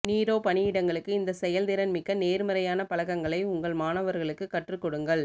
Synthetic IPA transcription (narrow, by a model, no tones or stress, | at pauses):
niːɾoːpɐnɪjɪɽɐŋɡɐɭɯkːɯɪnd̪ɐsɛjɐld̪ɪɾɐnmɪkːɐneːɾmɐɾɐjaːnɐpɐlɐkːɐŋɡɐɭɐɪʊŋɡɐɭmaːnɐʋɐɾɣɐɭɯkːɯkːɐʈrɯkːɔɽɯŋɡɐɭ